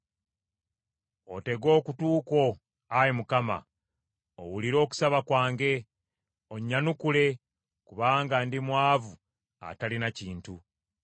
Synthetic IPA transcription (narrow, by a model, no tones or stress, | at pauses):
o̞̰te̞ɡo̞ːkutuːko̞ | ajemukama̰ | o̰wuliɾo̞ːku̥saβakwaːŋɡe̞ | o̞ɲːanukule̞ | kuβaːŋɡandimwaːvu | a̰talinaciːntu